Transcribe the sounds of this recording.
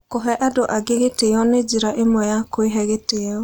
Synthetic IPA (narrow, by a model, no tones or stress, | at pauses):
koɦɛʔadoʔaɡeɣeteɔned͡ʒiɾaʔemwɛjakoeɦɛɣeteɔ